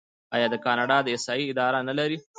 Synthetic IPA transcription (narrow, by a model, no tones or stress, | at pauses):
ɑjɑd̪əkɑnɑɖɑd̪əɪsɑiɪd̪ɑɾanalaɾi